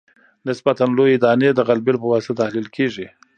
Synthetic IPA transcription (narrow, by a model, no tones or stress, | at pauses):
nɪsbat̪anlojed̪ɑned̪əɣalbelpəwasat̪ahlilkʰeʐi